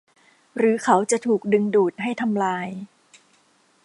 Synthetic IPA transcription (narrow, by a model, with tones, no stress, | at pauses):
ɾɯː˩˦kʰa˦˥wt͡ɕa˨˩t̪ʰuː˨˩k̚dɯ˧ŋduː˨˩t̪̚ɦa˥˩jt̪ʰa˧mlaː˧j